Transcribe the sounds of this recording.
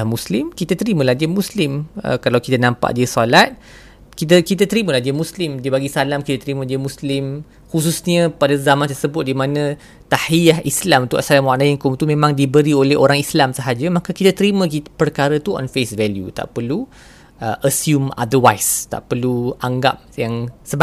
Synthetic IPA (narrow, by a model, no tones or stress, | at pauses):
muslɪmkit̪at̪əɾimə̃lahdiəmuslɪmə̰kalawkit̪ənãmpa̰ʔdiəsalat̪̚ | kit̪̬əkit̪at̪əɾimə̃lahdiəmũslɪmdiəbaɡisalamkit̪at̪əɾimə̃diəmũslɪm | hus̬usɲəpadəzamãnt̪ərsəbʊt̪̚dimãnə̃ | t̪ahijahislamt̪uʔasalamwaʔnajɪnkumt̪umẽmãŋdibəɾiolɛhoɾaŋislamsəɦad͡ʒəmakəkit̪at̪əɾimə̃kipərkaɾət̪uɔ̰nfesvɛljṵt̪a̰ʔpərlu | əʔəsjuma̰d̪əwajst̪a̰ʔpərluaŋɡa̰p̚jaŋsəb